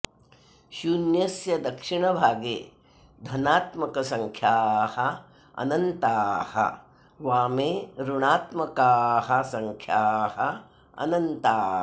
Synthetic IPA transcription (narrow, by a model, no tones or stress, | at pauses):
ʃunjɐsjɐd̪ɐkʂiɳɐbʱaːɡeː | d̪ʱɐnaːt̪mɐkɐsɐŋkʰjaːhɐ | ɐ̰nɐnt̪aːhɐ̰ | ʋaːmeːɾuɳaːt̪mɐkaːɦɐ̆sɐŋkʰjaːɦɐ | ɐ̰nɐnt̪aː